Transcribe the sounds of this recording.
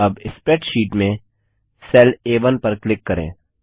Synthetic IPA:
ɐbɪspɾɛːʈʃiːʈmẽ | sɛːleːʋənpɐɾklɪkːɐɾḛ̃ː

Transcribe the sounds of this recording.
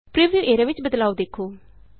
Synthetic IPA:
pɾiʋjuːʔeːɾaʋɪt͡ʃbəd̪laːud̪eːkʰoː

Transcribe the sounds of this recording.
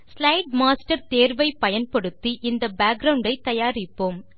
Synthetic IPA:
slɐɪʈmaːsʈɐɾt̪eːɾʋɐɪpɐjɐnpɐɽɯt̪ːiʔɪnd̪ɐbaːɡ̚ɡɾɐʊɳɖɐɪt̪ɐjaːɾɪpːoːm

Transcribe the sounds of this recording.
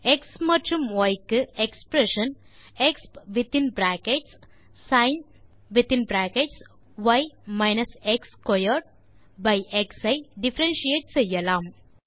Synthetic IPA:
eksmɐɾt͡ʃumʋɐjkɨekspɾeʃɐ̃nekspʋit̪ĩnbɾækeʈsː | ãɪn | ʋit̪ĩnbɾækeʈs | ʋajmaɪnɐsekskɔjəɾɖ̚ | bajʔeksɐjɖifɐɾẽnʃieʈsejɐlaːm

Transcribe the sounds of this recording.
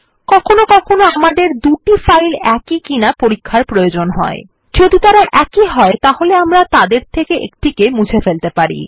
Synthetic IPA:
kɔkʰonokɔkʰonoamaɖ̪eɾd̪uʈifajlɛkikinapoɾikʰːaɾpɾojod͡ʑonɦɔ̰e | d͡ʑod̪ut̪aɾaʔɛkiɦɔet̪aholeamɾat̪ad̪eɾt̪ʰekeʔḛkt̪ikemut͡ɕʰefelt̪epaɾḭ

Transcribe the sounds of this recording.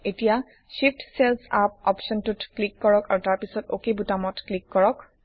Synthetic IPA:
etija | ʃiptselsap̚ɔpsɔntutklikːɔɹɔkaɹutaɹpisɔtokebutamɔtklikːɔɹɔk

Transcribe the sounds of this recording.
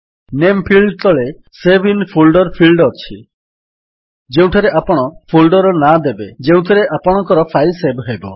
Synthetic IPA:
nempʰilɖt̪ʰɔɭe | sebʱinpʰulɖɔɾpʰilɖɔt͡ʃʰi | d͡ʒeũʈʰɔɾeʔapɔɽ̃ɔpʰulɖɔɾɔnad̪ebed͡ʒeũʈʰɔɾeʔapɔɽ̃ɔ̃ŋkɔɾɔpʰajsebɦebɔ

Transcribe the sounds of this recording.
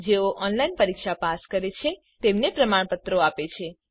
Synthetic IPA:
d͡ʒeoʔɔnlainpəɾikʃapaskəɾet͡ʃʰe | t̪emnepɾəmaɳpət̪ɾoapet͡ʃʰe

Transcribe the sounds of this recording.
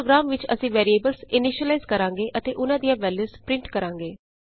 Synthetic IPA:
oɡɾaːmʋɪt͡ʃəsĩːʋɛːɾieːbəlsɪnɪʃəlaːzkəɾãːŋɡeːʔət̪eːʔʊnãːd̪ijãːʋɛːljuːspɾɪ̃ɳʈkəɾãːŋɡeː

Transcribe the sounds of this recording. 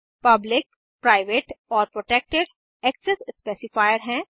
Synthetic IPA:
pɐblɪk̚ | pɾaːɪʋeːʈɔːɾpɾoʈek̚ʈeɖ | ɛksesspeːsɪfaːjəɾɦɛ̃ː

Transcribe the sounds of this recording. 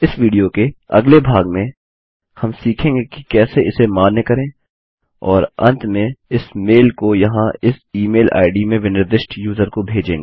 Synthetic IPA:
ɪsʋiːɖijokeɐ̰ɡlebʱaːɡmẽ | hɐmsiːkʰẽːŋɡeki̥kɛːseɪsemaːnːekɐɾẽː | ɔːɾɐ̰̃nt̪ʰmẽɪsmeːlkojɐɦãɪsiːmeːla̰ːɪɖimẽʋɪnɪɾd̪ɪʃʈjuːzəɾkobʱeːd͡ʒẽːŋɡeː

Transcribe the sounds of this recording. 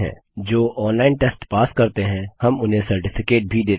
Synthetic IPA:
ɦɛ̰̃ | d͡ʒoːʔɔːnlaːɪnʈeːsʈpaːskɐɾt̪eɦɛ̃hɐmʊnɦẽsɐɾʈɪfɪkeːʈ̚bʱid̪eː

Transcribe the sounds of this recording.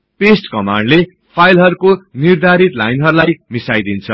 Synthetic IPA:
pesʈkʌmaɳɖle | pʰajlɦʌɾukonird̪ʱaɾit̪lajnɦʌɾulajmisajd̪int͡sʰʌ

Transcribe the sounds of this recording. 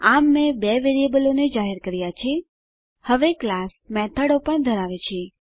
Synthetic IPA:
amːẽbɛʋeɾijebəloned͡ʒaɦɛɾkəɾjat͡ʃʰe | həʋeklasmɛt̪ʰəɽopəɳd̪ʱəɾaʋet͡ʃʰe

